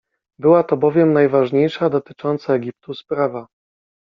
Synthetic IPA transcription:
bɘwat̪ɔbɔvʲjɛmnajvaʐɲejʂad̪ɔt̪ɘ̥t͡ʂɔnt̪saɛɡʲip̚t̪uspɾava

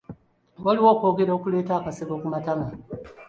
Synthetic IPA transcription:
waliwoːko̞ːɡe̞ɾaokuleːtaːkaseɡokumatama

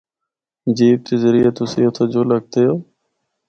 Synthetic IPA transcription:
d͡ʒiːb̚t̪ʰeːzəɾiːət̪ʊsiːot̪ʰoːd͡ʒoːləɡ̚t̪ejoː

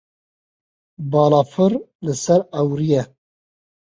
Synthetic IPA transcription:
bɑːlɑːfɨɾlɨsɛɾɛwɾijɛ

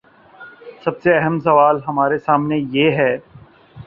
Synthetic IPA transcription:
sɐbseɐɦəmsɐʋaːlɦɐmaːɾesaːmnejeːɦɛː

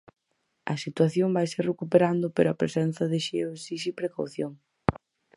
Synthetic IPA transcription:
ɐsit̪waθjombajserekupeɾand̪ʊpeɾoɐpɾḛsɛnθɐðɪʃeosisipɾekawθjoŋ

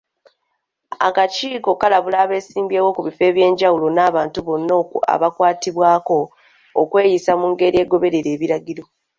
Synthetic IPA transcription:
a̰kaciːko̞kalaβulaːβe̞ːsiːmbe̞ːwo̞kuβife̞ːβje̞ːɲɟawulo̞naːβaːntuβo̞nːoa̰βakwaːtiβwaːko̞̰ː | kwe̞ːjisamuŋɡe̞ɾie̞ːɡo̞βe̞ɾe̞ɾe̞ːβiɾaɡiɾo̞

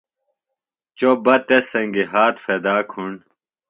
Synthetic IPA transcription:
t͡ɕobɐt̪esɐŋɡiɦaːt̪fed̪aːkʰuɳ

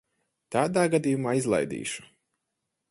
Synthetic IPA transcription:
t̪aːd̪aːɡad̪ijumaːizlˠa̰jd̪ḭːʃu̥

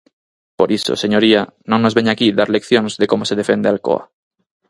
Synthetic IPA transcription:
poɾiso̰seɲoɾianõŋnozβeɲakiðaɾlekθjoŋzðekomoseðefend̪ealko̰a̰

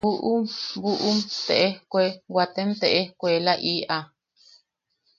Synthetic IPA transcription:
uʔubuʔumt̪eʔehkʷewat̪emt̪eʔehkʷelaʔiʔa

